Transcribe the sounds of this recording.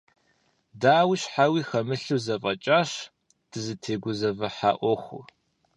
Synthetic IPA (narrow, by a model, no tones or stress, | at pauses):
daːwiɕħawiːxɐmɨɬɨwzɐfʼɐt͡ʃʼaːɕ | d̥ɨzɨtʰeːɡʷʊzɐvɐħa̰ːʔʷɔxʷʊ̰